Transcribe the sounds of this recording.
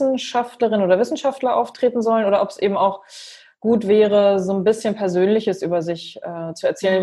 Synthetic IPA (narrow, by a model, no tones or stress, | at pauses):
n̩ʃaftləʁɪnənoːdɐvɪsn̩ʃaftlɐʔa̰ʊftʁ̥eːtn̩zɔlənʔoːɾɐʔɔpsʔḛːbm̩aʊx | ɡ̥uːtv̥ɛːʁəzoːnbɪsçənpʰɛɐzøːnlɪçəsʔyːbɐzɪçʔɛːt͡suɛɐt͡sɛːlən